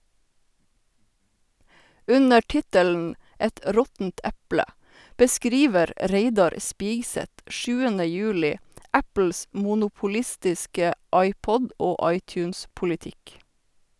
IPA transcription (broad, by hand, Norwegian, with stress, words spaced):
ˈʉnə ˈʈɪtəln̩ ˈɛt ə ˈɾɔtn̩t ˈɛplə bəˈskɾiːʋəɾ ˈɹeɪdɑɾ ˈspiːɡsɛt ˈʔʃʉːənə ˈjʉːlɪ ˈæpl̩s muːnuːpʊˈlɪstɪskə ˈɑɪˌpɔd ˈoː ˈɑɪˌtjʉːns pʊlɪˈtɪk